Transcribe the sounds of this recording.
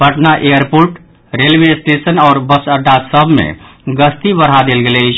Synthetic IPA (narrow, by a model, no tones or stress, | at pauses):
pəʈnaʔejəɾpoɾʈ | ɾelbesʈesənɔːɾbəsəɖasəbʱmḛ̃ɡəst̪ibəɾ̤ɦad̪elɡelɛt͡ʃʰ